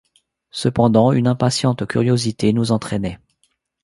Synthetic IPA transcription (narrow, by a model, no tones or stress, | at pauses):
səpɑ̃d̪ɑ̃ynɛ̃pasjɑ̃t̪kʲyʁjozit̪enuzɑ̃t̪χɛnɛ